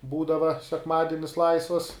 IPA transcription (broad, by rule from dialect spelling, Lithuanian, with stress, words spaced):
ˈbuːdɐʋɐ sʲɛkˈmɑːdʲɪnʲɪs ˈlˠɐɪsʋɐs